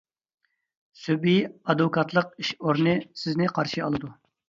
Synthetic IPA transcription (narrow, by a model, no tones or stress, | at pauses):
sybijɑd̪vɨkʰɑt̪ʰlˠəq̚iʃoɾnɨsɪznɪqʰɑɾʃiɑlˠɨd̪u